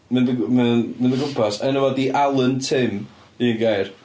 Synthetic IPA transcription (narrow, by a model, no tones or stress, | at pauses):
mɪnðəmɪnmɪ̃nðəɡʊmpʰɔsɛnəvɔdiʔalˠəntʰɪm | inɡejr